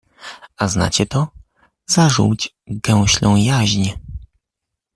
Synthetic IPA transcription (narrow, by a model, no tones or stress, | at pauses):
azna̰t͡ɕɛt̪ɔ | z̥aʐṵwd͡ʑ | ɡɛw̃ɕlɔ̃w̃jaʑɲɛ